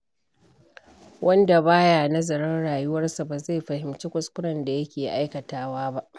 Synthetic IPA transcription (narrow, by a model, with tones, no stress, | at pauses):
wʔɐ˦nda˨baː˦jaː˨nɐ˦zɐ˨ɽɐ˦nɽaː˨jʊ˦wɐ˦rsa˨baː˨za˦˨jɸɐ˨hɪ˨mt͡ʃiː˦kʷʊ˨skʷʊ˦ɽɐ˨nda˨jɐ˦kʲeː˨ʔa˦jkɐ˨taː˦waː˦ba˦ʔ